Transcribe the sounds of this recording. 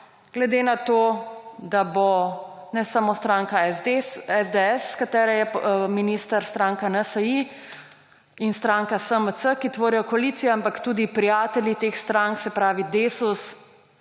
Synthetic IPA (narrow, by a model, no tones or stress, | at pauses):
ɡ̥lɛd̪eːnat̪od̪abonɛsamost̪ɾaːŋka | ɛzd̪eɛsːkat̪ɛːɾɛjɛminist̪əɾst̪ɾaːŋkanəsəi | inst̪ɾaːŋkasəməsəkit̪ʋoːɾijɔkɔalit̪sijɛampakt̪ud̪ipɾijaːt̪ɛljit̪eːxst̪ɾaŋksɛpɾaːʋid̪esus